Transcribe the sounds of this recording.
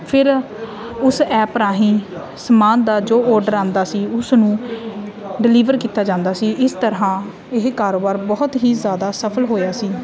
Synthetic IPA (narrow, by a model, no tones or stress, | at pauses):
pʰɪɾ | ʊsɛːpɾaːɦĩː | səmaːnd̪aːd͡ʒoːʔɔːɾɖəɾãːnd̪aːsiːʊsnũː | ɖɪliːʋəɾkiːt̪aːd͡ʒãːnd̪aːsiːʔɪst̪əɾɦãː | ɪɦkaːɾoːbaːɾbɔːʊt̪ɦiːzjaːd̪aːsəpʰəlɦoːjaːsiː